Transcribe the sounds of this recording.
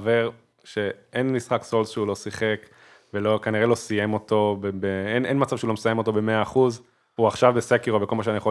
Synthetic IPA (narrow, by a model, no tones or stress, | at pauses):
ve̞ʁ | ʃe̞ʔenmisχakso̞lsʃeulo̞siχe̞k | velokaniʁelo̞sije̞mo̞t̪o̞bebeenʔenmat͡savʃeulomsaje̞mo̞t̪o̞be̞meaːχuz | uaχʃavbesekiʁobeko̞lmaʃ̬anijeχo